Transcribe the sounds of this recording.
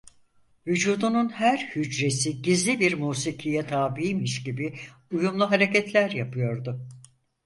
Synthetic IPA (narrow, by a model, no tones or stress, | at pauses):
vyd͡ʒuːd̪ununhæɾhyd͡ʒɾe̞siɟizlʲibiɾmuːsicʰijɛt̪ʰaːbiimiʃɟibi | ujumlˠuɦaɾecɛt̪ʰlʲæɾjapʰɯjo̞ɾd̪ʊ